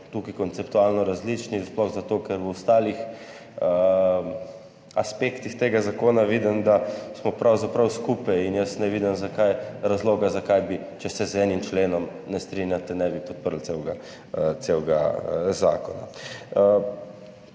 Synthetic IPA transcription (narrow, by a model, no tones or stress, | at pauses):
t̪ukikɔnt̪sɛpt̪ualnɔɾazlit͡ʃnisplɔɣzat̪oːkɛɾwust̪aːlix | aspeːkt̪ixt̪eːɡazakoːnaʋid̪əmd̪asmɔpɾawzapɾɐwskupajinjəsnɛʋiːd̪ɛmzakajɾazloːɡazakajbi | t͡ʃɛsɛzɛːnimt͡ʃleːnɔmnɛst̪ɾinjat̪ɛnɛbipɔt̪̚pəɾlt̪sewɡa | t̪sewɡa̰zaːkɔna̰